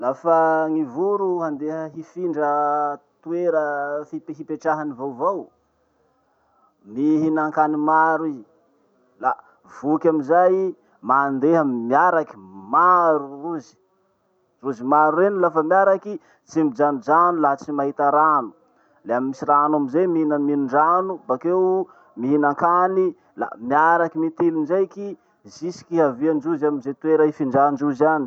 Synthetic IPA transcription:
lafəŋivuɾuɦand̪eɦəɦifiɳɖ͡ʐət̪ueɾəfipɦipeʈ͡ʂaɦanivowvow | miɦinaŋkanimaɾiz | la | vukʲaminzaj | mand̪eɦəmiaɾaki̥maɾuruzi̥ | ruzimaɾurenlafəmiaɾaki | t͡simbid͡ʒanud͡ʒanulat͡simaɦit̪aɾanu̥ | leamimisiranamizemiiinəminuɳɖ͡ʐanubakew | miɦinaŋkani | la̰miaɾakimit̪ilind͡ʒajki | zisi̥kiɦaviand͡ʒuzaminzet̪weɾaifiɳɖ͡ʐand͡ʒuzani̥

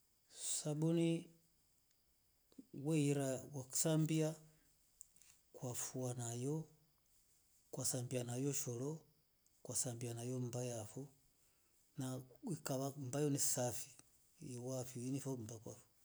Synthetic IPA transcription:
sabuni | wɛiɾawaku̥sambia | kwafuanajɔ | kwasambianajɔʃɔlɔ | kwasambianajɔmbajafɔ | naikaβambajɔnisafi | wafiwinifɔm̩bakwa̰fu̥

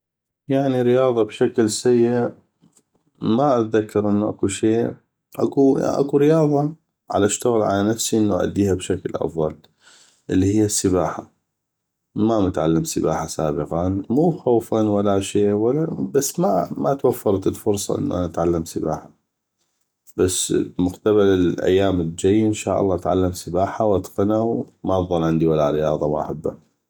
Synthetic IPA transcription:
jaʕniɾɪjɑːðˤɑbʃaklsajːɪʔʔ | maʔat̪ðakːɑɾʔɪnːuʔa̰kuʃeː | ʔa̰kṵʔa̰kuɾɪjɑːðˤɑ | ʕa̰laʃt̪aɣɪlʕalanafsiʔɪnːuʔʔa̰d̪ːiːhabʃaklʔɑ̰fðˤɑl | ʔɪlːihɪjːasːɪbaːħa | mamʊt̪ʕalːamsɪba̰ːħasa̰ːbɪqanmuːxowfanwalaʃeːwalabasːmamat̪wafːɑɾˤt̪ɪlfʊɾsˤɑ̰ʔɪ̰nːṵʔanaat̪ʕalːamsɪba̰ːħa | b̥asːmʊqt̪aβalɪlʔa̰jːaːmɪld͡ʒajːʔɪnʃaːʔɑlˤːɑːʔat̪ʕa̰lːamsɪbaːħawat̪qɪnawmaðˤɑlʕɪnd̪iwalːaɾɪjɑːðˤɑma̰ʔa̰ħabːa

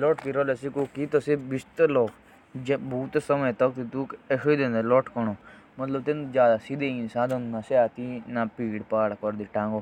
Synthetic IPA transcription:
loːʈkiɾolesikokit̪osibist̪ɐloː | d͡ʒbʱuːt̪sɐməjt̪ɐk̚t̪it̪ukeʃoid̪ẽnd̪eloːʈʰkɐno | mɐt̪ləbt̪end͡ʒjaːd̪asid̪esãːd̪onnaseaːt̪inapiːɽpaːɽkoɾd̪iʈãːŋɡo

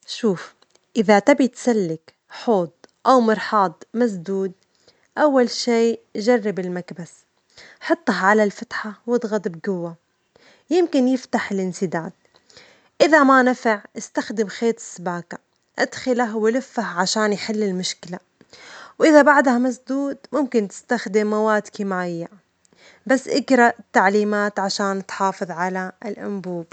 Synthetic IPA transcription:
ʃuːf | ʔɪðat̪abit̪salːɪk | ħoːd̪̚ʔawmɑɾˤħɑːd̪ˤmas̬d̪uːd̪̚ | ʔawːalʃiːʒɑrˤːɪbɪlmakbas | ħɑt̪ˤːɑɦʕalalfat̪ħawɪd̪ˤɣɑd̪ˤbɡʊwːa | jɪmkɪnjɪft̪aħɪlʔɪnsɪd̪aːd̪̚ | ʔɪðamanafɪʕɪst̪axd̪ɪmxeːt̪ɪ̥sːabaːka | ʔa̰d̪xɪlaɦwɪlɪfːahʕaʃaːnjħɪlːɪlmʊʃkɪla | wʔɪðabaʕd̪hamasd̪uːd̪mʊmkɪnt̪ɪ̥st̪axd̪ɪmːawaːd̪kɪmaːɪjːa | basːʔɪɡɾˤɑʔɪt̪ːaʕliːmaːt̪ʕaʃaːnt̪ħɑːfɨðˤʕalaɪlʔʊ̰mbuːb̚

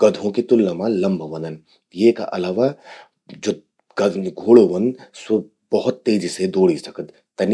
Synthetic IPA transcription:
ɡ̥ɐd̪ʱõkit̪ʊlːɐmãlɐ̃mbʱʋɐ̃nd̪ən | jeka̰ʔɐlaːʋa | d͡ʒoː | ɡɐɡʱoːɽoʋɐ̃nd̪so | bɐɦʊt̪ːeːd͡ʒised̪oːɽisɐkəd̪ | t̪ːɐni

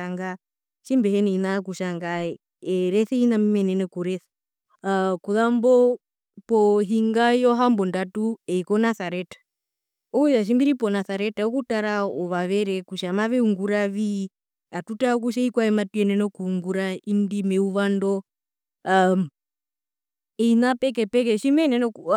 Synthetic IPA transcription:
aŋɡa | ʃimbɛhɛnɛinakuʃaŋɡa | ɛɾɛθɛinamimɛnɛnɛkuɾɛθɛ̥ | kuðambɔ | pɔɦiŋɡajɔɦambɔndatuɛikɔnaθaɾɛtḁ | ɔujaʃ̬imbiɾipɔnaθaɾɛtaɔkutaɾaɔβaβɛɾɛkuʃamaβɛuŋɡuɾaβi | atutaɔk̬uʃ̬aikwaɛmatuɛnɛnɔkuːŋɡuɾaindimɛuβandɔ | ɛinapɛk̬ɛpɛk̬ɛʃimɛnɛnɛ

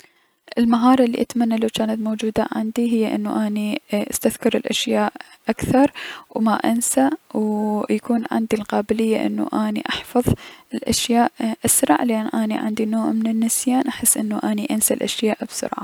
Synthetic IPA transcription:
ʔɪlmaɦɑːɾˤɑlːḭʔat̪manːalawt͡ʃaːnat̪moːd͡ʒuːd̪a̰ʕa̰nd̪iɦɪjːaʔɪ̰nːuʔaːniʔast̪aθkɑɾˤɪlʔaʃjaːʔʔakθɑɾˤwmaʔansawjakuːnʕɪ̰nd̪ilqɑːbɪlɪjːaʔɪ̰nːṵʔaːnḭʔɑħfɑðˤɪlʔaʃjaːʔʔasɾɑ̰ʕlʔanʔaːniʕɪ̰nd̪inoːʕmɪnɪnːɪsjaːnʔaħɪsːʔɪnːuʔaːniʔansalʔaʃjaːʔbsʊ̰ɾʕa̰

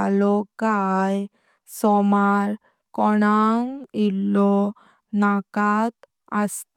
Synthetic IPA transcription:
alɔkaj | sɔmaɾ | kɔɽaŋilːɔ | nakat̪ | əst̪

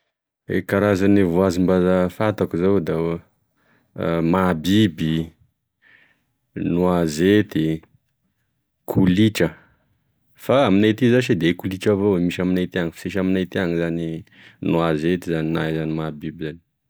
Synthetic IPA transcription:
ḛkaɾazanivuazimbazafat̪akuzawd̪a | mabibi | nuazet̪i | kʰuliʈ͡ʂə | faaminat̪izaʃid̪ekuliʈ͡ʂavowemiʃaminat̪iaŋifi̥seʃaminajt̪iaŋizani | nuazet̪izaninajzanimabibizani̥

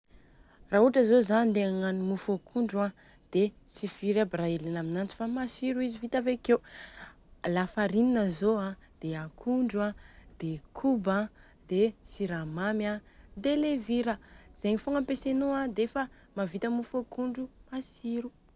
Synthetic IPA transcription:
raːɦuʈ͡ʂəzozanind̪eaŋanimufokʰuɳɖ͡ʐuã | d̪̥et͡siviɾabraelenaminant͡si̥famasiɾuizivit̪avekew | lafaɾininəzoãd̪̥eakʰuɳɖ͡ʐuãd̪̥ekʰuba | d̪̥esiɾamamjãd̪eleviɾəz̥eɲifoŋampesenuãd̪efə | mavit̪əmufokuɳɖ͡ʐumasiɾu

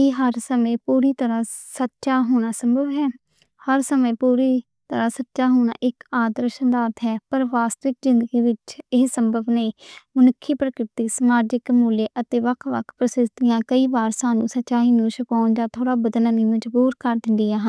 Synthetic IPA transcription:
eːɦəɾsəmẽːpuːɾiːt̪əɾãːsətːʃaːɦoːɳ̃aːsəmbəʋɦɛː | həɾsəmẽːpuːɾiː | t̪əɾãːsətːʃaːɦoːɳa̰ːʔɪkaːd̪əɾʃənd̪aːt̪ɦɛːpəɾʋaːst̪ʋɪk̚zɪ̃nd̪əɡiːʋɪt͡ʃɪssəmbəʋneːmənʊkʰːiːpɾəkɾɪt̪iːsəmaːd͡ʒɪkmuːleːʔət̪eːʋəkʰʋə̰kʰpɾəsɪd̪t̪ɪjãːkəiːbaːɾsaːnũːsətːt͡ʃaːiːnũːʃəkaːnd͡ʒãːt̪ʰoːɽaːbəd̪ələnĩːməd͡ʒbuːɾkəɾd̪ɪnd̪iːaːɦən

